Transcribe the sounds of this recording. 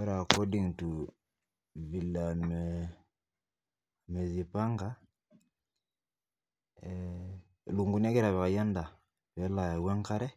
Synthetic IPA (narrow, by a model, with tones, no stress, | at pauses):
ɛ˦ɾa˨kɔ˦di˦˨ŋ˨tu˨ | βi˨la˨mɛ | mɛ˨zi˨pa˦ŋɡa˦˨ | lu˨ŋɡu˨nɛ˦ɡɛ˦ɾa˨βɛ˨a˨ja˦nda˨ | βɛ˨˦la˨ja˨wɛ˦ŋka˦ɾɛ˦